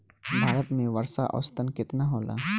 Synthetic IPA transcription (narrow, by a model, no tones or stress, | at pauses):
bʱaːɾət̪mẽʋɐɾsaʔɐ̰ːst̪ənkɪt̪naɦoːla̰ː